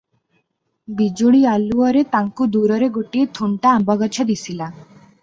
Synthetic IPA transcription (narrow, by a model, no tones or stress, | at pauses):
bid͡ʒoɭialuɔɾet̪aŋkud̪uɾɔɾeɡoʈiet̪ʰuɳʈaambɔɡɔt͡ʃʰɔd̪isila